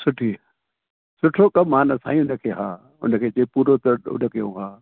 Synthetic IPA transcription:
sʊʈʰi | sʊʈʰokɐmːaːnəsa̰ːĩʊnəkʰeːɦa̰ː | ʊ̰nəkʰeːd͡ʑeːpuːɾot̪əʊ̰nəkijõ̰ːɦaː

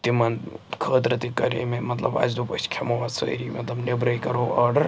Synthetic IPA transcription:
t̪imɐnkʰəːt̪ɾɐt̪ikɐɾḛmemɐt̪lɐ̰ba̰d͡ʒd̪upəskʰemoʋasə̰ɾimɐt̪lɐbnebɾɐjkɐɾoːɐɾɖɐɾ

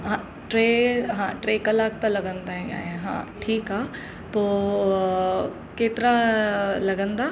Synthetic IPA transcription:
ɦã | ʈɾeːɦãːʈɾeːkɐlaːk̚t̪alɐɡə̃nd̪aɦɛ̃ja̰ːãɦã̰ːʈʰiːkɦaː | poː | keːt̪ɾalɐɡə̃nd̪aː

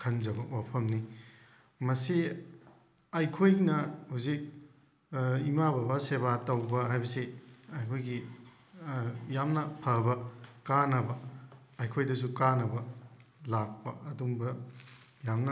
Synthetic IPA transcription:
kʰɐnzɐbɐwapʰɐmni | mɐsi | ajkʰojnɐhuzik̚ | imabɐbaseβatɐwbɐɦajbɐsiɐjkʰojɡi | jamnɐpʰɐbɐkanɐbɐː | jkʰojdɐs̬ukanɐbɐlak̚pɐːdumbɐ | jamnɐ

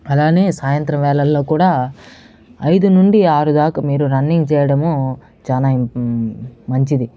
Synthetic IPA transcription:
ɐlaːne̞ːsaːjɐnt̪ɾɐmʋɛːlɐlːo̞ːkuːɽaː | ɐjd̪unuɳɖiaːɾud̪aːkɐmiːɾuɾɐɳːiŋɡt͡ʃɛːjɐɽɐmo | t͡ʃaːnaː | mɐɲt͡ʃid̪i

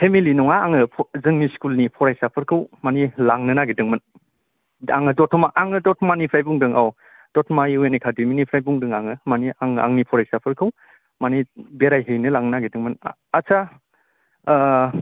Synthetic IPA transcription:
pʰemilinɔŋaaŋɯzɯŋniskulnipʰɔɾajsapʰɯɾkʰɯwmanilaŋnɯnaɡidɯŋmɯn | a̰ŋɯdɔtʰɔmaʔaŋɯdɔtʰɔmanipʰɾajbuŋdɯŋaw | d̥ɔtʰmajuenekʰademinipʰɾajbuŋdɯŋaŋɯmaniaŋa̰ŋnipʰɔɾajsapʰɯɾkʰɯw | manibeɾajɦejnɯlaŋnənaɡidɯŋmɯn | asʰa

